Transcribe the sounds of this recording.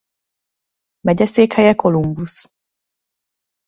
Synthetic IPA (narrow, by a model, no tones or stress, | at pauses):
mɛɟɛseːkhɛjɛkʰolumbus